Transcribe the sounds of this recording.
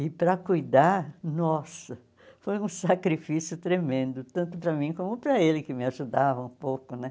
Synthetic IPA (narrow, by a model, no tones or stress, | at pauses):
ɪpɾɐkujd̪aɾnɔsɐ | fojũsakɾifisiʊt̪ɾemẽnd̪ʊt̪ɐ̃nt̪ʊpɾɐmĩkõmʊpɾɐelɪkɪmɪaʒud̪avɐũpowkʊnɛ